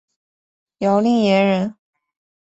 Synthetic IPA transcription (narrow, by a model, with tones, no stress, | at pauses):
jɑ˧˥ʊli˥˩ŋjɛ˧˥nɻə˧˥n